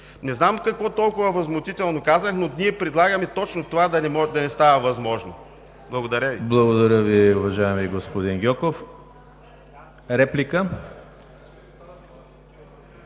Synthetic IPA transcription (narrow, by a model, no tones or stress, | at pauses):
nɛznamkɐkvɔt̪ɔlˠkʊvɐvɐzmʊt̪it̪ɛlˠnokazəxnonʲiɛpɾɛd̪lˠaɡɐmɛt̪ɔt͡ʃnot̪ovad̪ɐnɛmɔʒd̪ɐnɛst̪avɐvɐzmɔʒno | blˠɐɡod̪ɐɾʲəviblˠɐɡod̪ɐɾʲəviʊvɐʒaɛmiɡospod̪inɡʲɔkof | ɾɛplikə